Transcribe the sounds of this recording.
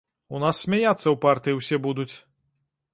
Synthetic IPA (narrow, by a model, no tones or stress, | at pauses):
unasːʲmʲajat̪sːɐwpart̪ɨjiwsʲɛbud̪ut͡sʲ